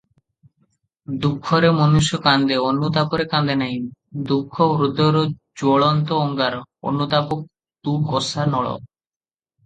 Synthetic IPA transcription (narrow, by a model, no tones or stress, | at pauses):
d̪ukʰːɔɾemɔnuʃjɔkand̪eonːut̪apoɾekand̪enaɦind̪ukʰːɔɾud̪ʱːɔɾɔ | d͡ʑoɭɔnt̪oɔŋɡaɾo̰nːut̪apok̚ | t̪ukɔsanɔɭɔ̰